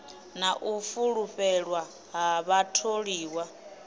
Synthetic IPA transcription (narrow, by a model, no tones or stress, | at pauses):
naʔufuɺuɸɛɺwa | ɦaβatʰoɺiːwa